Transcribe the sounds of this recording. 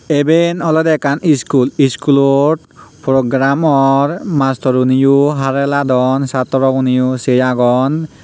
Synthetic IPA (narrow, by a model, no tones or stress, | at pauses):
ebenɔlɔdɛkaniskuliskulɔʈ̚ | pɾɔɡɾamɔɹmast̪ɔɾunijuɦaɾɛlad̪ɔnsat̪ɔɾɔkunijusejaɡɔn